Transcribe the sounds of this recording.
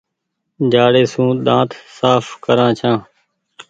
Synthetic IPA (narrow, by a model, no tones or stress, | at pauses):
d͡ʒaːɽeːsũːɗ̪ãːt̪saːfkəɾãːt͡ʃʰãː